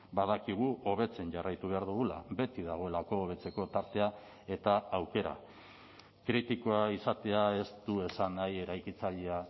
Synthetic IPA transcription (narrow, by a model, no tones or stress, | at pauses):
baðakiɣ̞uʔo̞β̞e̞t͡se̞nʝarajt̪uβe̞aɾðuɣula̰be̞t̪iðaɣ̞o̞e̞lako̞ːβe̞t͡se̞ko̞t̪aɾt̪e̞a | e̞t̪aawke̞ɾa̰ | kɾit̪ikoaisat̪e̞ae̞st̪uesanaje̞ɾajkit͡saʎea